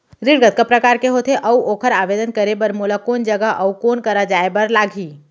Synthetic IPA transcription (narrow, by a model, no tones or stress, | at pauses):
ɾɪɾɡət̪̚kapɾɐkaːɾkeɦoːt̪ʰeʔɐuoːkʰəɾaːʋeːd̪ənkəɾebəɾmuːlakoːnd͡ʒɐɡəʔɐukoːnkɐɾad͡ʒaːebɐɾlaːɡʱiː